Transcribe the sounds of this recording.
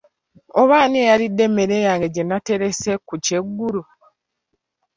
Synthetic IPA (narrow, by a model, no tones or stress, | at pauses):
oβaːnejaɾidːe̞mːe̞ɾe̞jaːŋɡeɟenate̞ɾe̞se̞kuce̞ɡːuɾu